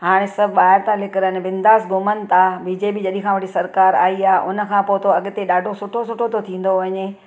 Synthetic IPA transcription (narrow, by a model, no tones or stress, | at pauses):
ɦaːɽ̃esɐbʱɓaːɦɪɾt̪alɪkɪɾənɪ̆ʋɪ̃nd̪aːsɡʊmənɪ̆t̪abiːd͡ʑeːpid͡ʑɐɗĩkʰãʋɐʈʰisɐɾkaːɾa̰ːiaːɦʔʊnə̆kʰãːpoːt̪ʰoɐɠt̪eɗaːɖʱosʊʈʰosʊʈʰot̪ot̪ʰĩːn̆d̪oʋɐɲe